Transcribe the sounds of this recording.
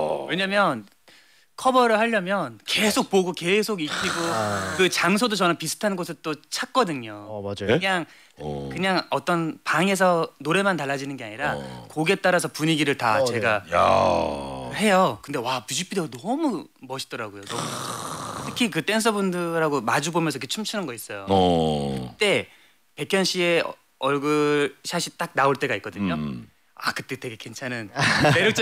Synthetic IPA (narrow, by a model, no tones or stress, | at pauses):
we̞ɲamjʌn | kʰʌbʌɾɯɭɦaʎːʌmjʌnke̞sʰok̚poɡoke̞sʰoɡik͈ʰiɡokɯt͡ɕaŋs̬ʰodot͡ɕʌnɯnpisʰɯ̥tʰanɡosʰɯɭt͈ot͡ɕʰak̚k͈ʌdɯɲoaɯɲaŋ | kɯɲaŋʌt͈ʌnpaŋe̞s̬ʰʌnoɾe̞mantaɭːad͡ʑinɯnɡeaɲiɾakoɡe̞t͈aɾas̬ʰʌpuɲiɡiɾɯɭta̰t͡ɕe̞ɡa | he̞jokɯnde̞wamud͡ʑipʰideɡonʌmu | mʌɕʰi̥dʌɾaɡojonʌmuʌt͡ɕʰitʰɯ̥kʰikɯt͈ens̬ʰʌbundɯɾaɡomad͡ʑubomjʌnsʰʌikʰet͡ɕʰumt͡ɕʰinɯnɡʌis͈ʌjokɯtt͈e̞ | pe̞kʰjʌnɕʰie̞ | ʌɭɡɯɾɕʰaɕʰit͈ak̚naoɭt͈e̞ɡaik̚k͈ʌdɯɲo | akɯt͈e̞te̞ɡe̞ke̞nt͡ɕʰanɯnmeɾjok̚t͡ɕ͈